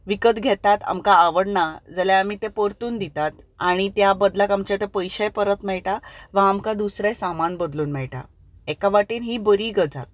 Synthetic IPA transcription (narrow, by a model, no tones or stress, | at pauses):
ʋikət̪ɡʱɛt̪at̪a̰mkaːʋəɽɳad͡zəlaamit̪epəɾt̪uːnd̪it̪at̪aɽ̃it̪jabəd̪lakamt͡ɕat̪epəjɕəjpəɾət̪mɛɭʈaʋãːmkad̪usɾesamanbəd̪luːnmɛɭʈa̰ | ɛkaʋaʈiːnɦiːbəɾiːɡəd͡za̰t̪̚